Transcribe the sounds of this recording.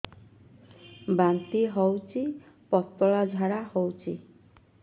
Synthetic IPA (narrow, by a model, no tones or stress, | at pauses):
bant̪iɦɔwt͡ʃʰi | pɔt̪ːɔɭad͡ʒʱaɾahɔwt͡ʃʰi